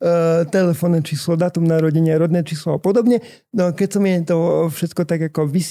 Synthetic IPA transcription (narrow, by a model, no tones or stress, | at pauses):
t̪ɛlɛfɔnːɛt͡ʃiːslɔd̪at̪umnaɾɔɟɛɲɪaɾɔd̪nɛːt͡ʃiːslɔapɔd̪ɔbɲɛ | nɔakɛcsɔmɪɛt̪ɔfʃɛt̪kɔt̪aɡakɔʋis